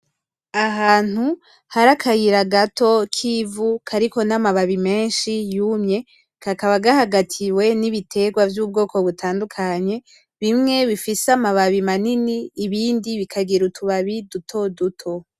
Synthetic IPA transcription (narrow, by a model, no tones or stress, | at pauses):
aɦaːn̥hu | haɾakʰajiɾaɡato̞kʰiːvukʰaɾiko̞namaβaβime̞ːnʃijumɲe̞ | kakaβaɡahaɡatʰiwe̞niβitʰe̞ɡwavjuːb̚ɡo̞ːko̞βutaːndukʰaɲe̞ | βimŋe̞βifisamaβaβimaniniːβiːndiβikʰaɡiɾutʰuβaβidutʰo̞dutʰo̞